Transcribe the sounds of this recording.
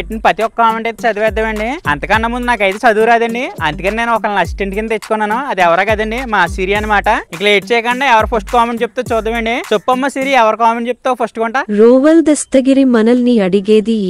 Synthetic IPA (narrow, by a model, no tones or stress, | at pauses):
eʈːinipɾɐt̪iɔkːɐkaːmeɳʈɐjt̪et͡ʃɐd̪ɐʋɛːd̪ːɐʋɐɳɖiɐnt̪ɐkɐnːɐmːund̪unaːkɐjt̪et͡ʃɐd̪uːɾaːd̪ɐɳɖiɐnd̪ukɐnine̞ːnuɔkɐlnɐsi̥ʈeɳʈkind̪ɐet͡ʃːu̥kɔnːaːnuɐd̪iɛʋɐɾaːɡɐd̪ɐɳɖimaːsiːɾiɐnːɐmaːʈɐiŋkɐlɐeːʈ̚t͡ʃɛːjkɐɳɖaːɛʋɐɾupʰɐsʈkaːmeɳʈd͡ʒep̚ːt̪ɐːt͡ʃuːd̪ːɐʋɐɳɖisupːɐmːɐsiːɾiɛʋɐɾɐkaːmeɳʈt͡ʃep̚ːt̪aːpʰɐɾsʈɡɔɳʈaɾoːʋɐld̪ɐst̪ɐɡiɾimɐnɐlniːɐɽiɡeːd̪i